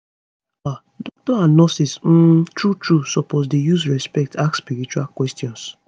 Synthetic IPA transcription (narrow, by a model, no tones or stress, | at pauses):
a | dɔk̚tɔanɔsism̩tɹutɹusɔpozdejuzɹɛspɛk̚takspiɹit͡ʃualkwɛstjɔ̃ns